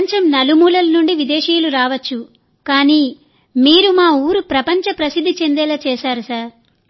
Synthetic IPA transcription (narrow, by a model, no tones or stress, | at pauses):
ɲt͡ʃɐmnɐlumuːlɐlɐnuɳɖiʋid̪ɛːʂiːluɾaːʋɐt͡ʃːu | kaːniː | miːɾumaːuːɾupɾɐpɐɲt͡ʃɐpɾɐsid̪ʱːit͡ʃe̞nd̪ɛːlɐt͡ʃɛːʃaːɾusaːɾ